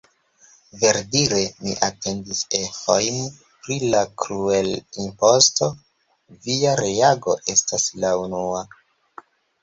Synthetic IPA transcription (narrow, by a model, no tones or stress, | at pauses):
ve̞ɾdiɾe̞miʔate̞ndisehojn | pɾilakɾue̞limpo̞sto̞ | viaɾeaɡo̞ʔe̞staslaunua